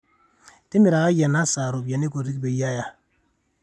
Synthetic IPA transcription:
ti˦mi˨ɾa˨ka˦jɛ˨na˦sa˨ɾo˨bja˨ni˦ko˨ti˦kbe˨ja˦ja˦

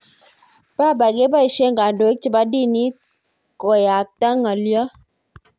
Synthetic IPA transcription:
pa˦˨ba˨ɡe˦ba˦i˨ʃe˦ŋɡa˨do˨e˦k̚t͡ʃi˦˨ba˦di˦˨ni˦ | ko˨ja˨k̚ta˦ŋa˨ljɔ˦

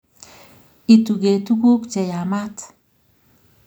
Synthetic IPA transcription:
i˨tu˨ɡe˨tu˦ku˦kt͡ʃɛ˨ja˨ma˦t

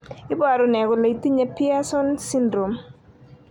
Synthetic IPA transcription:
ɪ˦bwa˨ɾɔ˨nɛ˨ɡɔ˨la˨i˨ti˦ɲe˦pɪ˦a˦sɔ˦nsi˦ndɾo˨m

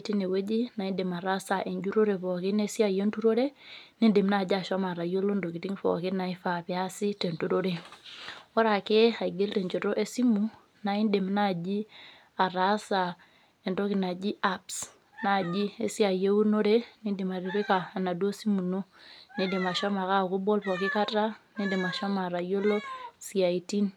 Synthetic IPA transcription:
ti˦ne˨we˦d͡ʒi˦na˨i˦nde˨ma˨ɾa˦sa˨ʔe˨ɲd͡ʒu˦ɾo˦ɾe˨fɔ˨ki˦ne˦si˦a˨je˦ntu˦ɾo˦ɾe˦ne˦nde˨mna˦˨d͡ʒa˨ʃa˦ma˨ɾa˨jo˦lo˦ndo˨ki˨ti˦ŋfɔ̰˨kɪ˦na˨i˦fa˨pja˦si˦te˨nto˨ɾo˦ɾe˨ | ɔ˦ɾa˨ke˦a˨iɡe˦lte˨ɲd͡ʒo˨to˦ʔe˦si˦mu˨ | na˨i˦nde˨mna˦˨d͡ʒi˦ | a˨ɾa˨˦sa˨ | e˨ndo˦ki˨na˨d͡ʒi˦ʔa˦ps | na˦˨d͡ʒi˦e˦si˦a˨je˦u˦no˦ɾe˦ni˦ndi˨ma˨ɾi˨ɾi˦ka˨na˨du˦o˦si˦mu˨no˦ni˦di˨ma˨ʃɔ˦ma˨ka˦˨ku˦bo˦lfɔ˨kɪ˦ka˦ta˦ni˦ndi˨ma˨ʃɔ˦ma˨ɾa˨jo˦lo˦si˨a˨i˨ti˦n

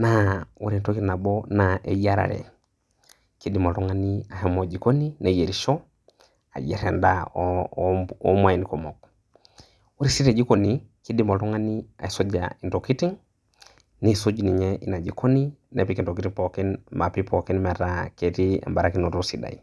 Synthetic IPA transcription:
nau˦ɾi˨nto˦ki˦ɾna˨bo˦naʔḛ˨ja˦ɾa̰˨ɾḛ˨ | ki˦di˨mo˨ɾo˦ŋa˦ni˦a˨hɛmo˨d͡ʒi˨ko˦ni˦ne˨je˨ɾiʃo˦ | a̰˨jḛ˨ɾɛ˨nda̰˦ | ɔ̰˦ma˨i˨niko˨mo˨k̚ | u˦ɾi˦si˦ɾe˨d͡ʒi˦ko˨niki˦di˦mo˨ɾɔ˦ŋa˦ni˦a̰˨i˨so˦d͡ʒa̰i˨nto˨ki˦ti˦ŋ | ne˦so˦d͡ʒi˨ni˨ɲɛ˦ʔi˨na˨d͡ʒi˨kʰo˦ni˦nḛ˨pi˦ki˨nto˨ki˦ti˦ŋpo˨ki˦nma˨pi˦po˨ki˦nma˨ɾa˦ke˨ɾi˦a̰˨mba˨ɾa˦ki˦no˨ɾo˦si˨da̰˨i˨

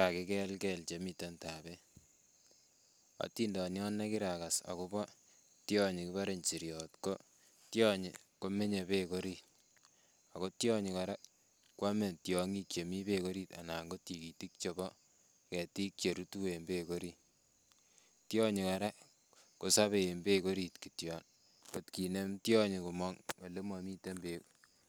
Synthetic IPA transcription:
a˨kɪ˨˦kɛ˦lkɛ˦lt͡ʃe˨mita˦nta˨bɛ | a̰˨ti˦ndɔ˨njɔ˦nːɛ˦kɪ˦ɾaka˨sa̰˨ko˦bɔ˦ | tjɔ˦ɲikɪ˦βa˦ɾe˨ɲt͡ʃi˨ɾjɔtko˦ | tjɔ˦ɲḭko˦me˦ɲe˨pe˦ko˦ɾi | a˨ko˦tjɔ˦ɲi˨ka˨ɾa˦ | kwa˦me˨ntjɔŋi˦kje˨mi˦pe˦ko˦ɾi˦ta̰˨na˨ŋɡo˦tiki˨ti˦k̚t͡ʃɔ˨bɔ˦ | kɛ˨ti˦k̚t͡ʃe˨ɾu˦tu˦we˨mbe˦ko˦ɾi˦ | tjɔ˦ɲi˨ka˨ɾa˦ | ko˨sa˦βe˨mbe˦ko˦ɾi˨tkitjɔ˨n | ko˨tki˨ne˦mtjɔ˦ɲi˨ku˨mɔ˦ŋo˨le˦mwa˨mi˦te˦mbe

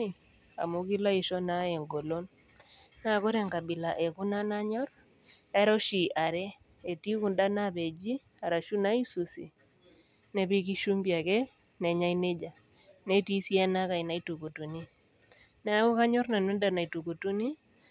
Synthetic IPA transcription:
a̰˨mu˨ki˦la˦i˨ʃɔ˦na˦e˨ŋɡo˨lo˦n | na˦˨kɔ˦ɾɛ˦˨ŋka˨bi˨la˨ʔɛ˨ku˦na˦na˦ɲɔ˦ɾ | ɛ˦ɾɔ˦ʃi˨ʔa˨ɾɛ˦ | e˨ti˦ku˦˨nda˦na˦be˨d͡ʒi˦ | a˨ɾa˨ʃu˦na˦i˦su˨sḭ˨ | nɛ˨bi˦ki˦ʃu˦mbja˨kɛ˦ | nɛ˨ɲa˦i˦ne˦d͡ʒa˨ | nɛ˦ti˦si˦a˦na˦ka˨i˨na˨i˦tu˨ko˨tu˨ni˦ | nɛ˨a˦kɔ˦ka˦ɲɔ˦ɾna˨nu˦nda˨na˨i˨tu˨ko˨tu˦ni˦

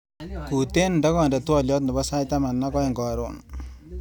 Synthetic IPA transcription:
ku˨te˦nda˦kɔ˦ndɛ˨twɔ˦ljɔ˦t̪nɪ˨ba˦sa˦jta˦ma˨nːa˦kɔ˦e˨ŋɡɔ˨ɾo̰n

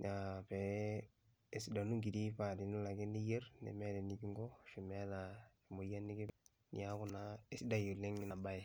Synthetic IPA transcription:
na˨pɛ˨ | e˨si˨da˨nu˦ŋɡi˨di˦pa˨di˨ni˦la˨kɪ˦ne˦je˦rnḛ˨me˦dɛ˨ni˨ki˦ŋɡɔ˦ʃu˨m˦a˦ta˨e˨mo˨ja˦nɪ˦kɪ˦ | nḭ˨a˦kʊ˨na˦e˦si˦da˨ju˨le˦ŋɪ˦na˨ba˦ɛ˨

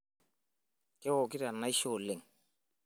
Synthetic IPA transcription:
kɛ˦wo˨ki˦ɾa˨na˦i˦ʃo˦˨le˨ŋ

